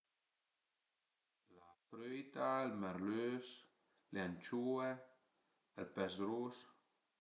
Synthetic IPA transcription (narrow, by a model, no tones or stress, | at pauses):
lafɾøjt̪aelmɛɾløs | leant͡ʃue | elpɛsɾus